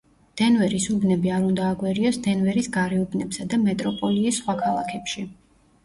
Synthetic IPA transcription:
d̪̥ɛnvɛɾisubnɛbiaɾund̪aːɡwɛɾiɔsd̪̥ɛnvɛɾisɡaɾɛubnɛbsad̪amɛt̪ʼɾɔpʼɔliːsːχwakʰalˠakʰɛpʃi

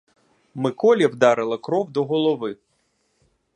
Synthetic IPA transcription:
mɪkɔlʲɐwd̪ɑɾɪlˠɐkɾɔwd̪ɔɦɔlˠɔʋɪ

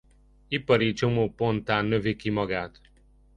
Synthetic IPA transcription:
ipʌɾit͡ʃomoːpont̪aːnːøʋekimɔɡaːt̪

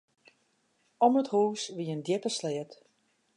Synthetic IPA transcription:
ɔməthuːsʋiəndjɪpəslɪːət

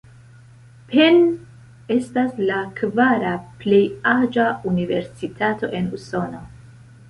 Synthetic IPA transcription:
pʰen | e̞staslakvaɾaple̞jad͡ʒaunive̞ɾsitʰato̞̰ʔe̞nuso̞no̞

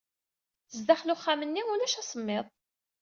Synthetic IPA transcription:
zd̪aχlʊχːamənːiʊlæʃæsˤəmːɪðˤ

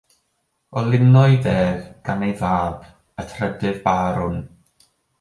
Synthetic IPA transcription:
ɔlˠɪnɔɨðɛːðɡ̥anejvaːb | ətʰrɛdɨðbaːɾʊn

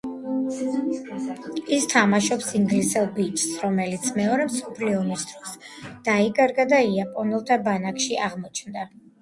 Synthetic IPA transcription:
ist̪ʰamaʃɔpsiŋɡlisɛlˠbit͡ʃʰʼsɾɔmɛlit̪sʰmɛɔɾɛmsɔpʰliɔmisd̪ɾɔsd̪̥aikʼaɾɡad̪aiapʼɔnɛlˠt̪ʰabanakʃiaʁmɔt͡ʃʰnd̪a

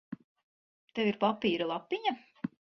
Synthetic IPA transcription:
t̪eviɾpapiːɾalˠapːiɲa

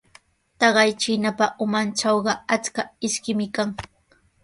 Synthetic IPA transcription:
t̪ɑɢɑjt͡ʃɪnapaʔʊmant͡ʃɑwɢɑat͡skaɪʃkɪmɪkaŋ

